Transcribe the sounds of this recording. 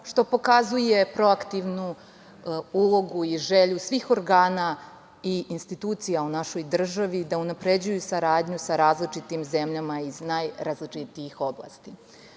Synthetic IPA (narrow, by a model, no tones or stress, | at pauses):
ʃt̪o̞po̞kazuje̞pɾo̞akt̪iʋnu | ulˠo̞ɡuiʒeʎusʋiːxo̞ɾɡaːna | iːnst̪it̪uːt̪sijaunaʃo̞jd̪r̩ʒaʋid̪aunapɾe̞d͡ʑujusaɾaːd̪ɲusaɾaːzlit͡ʂit̪imze̞mʎamaiznajɾaːzlit͡ʂit̪iixo̞bla̰st̪i